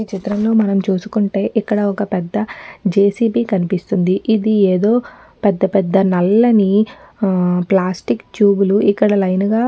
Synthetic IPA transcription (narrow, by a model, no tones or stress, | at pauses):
it͡ʃit̪ɾɐmlo̞ːmɐnɐmt͡ʃuːsu̥kuɳʈe̞ːʔikːɐɽɐɔkɐpɛd̪ːɐd͡ʒeːsiːpiːkɐnipist̪und̪iʔid̪ieːd̪o̞ː | pɛd̪ːɐpɛd̪ːɐnɐlːɐni | plaːsʈikt͡ʃjuːbuluʔikːɐɽɐlɐjnɡaː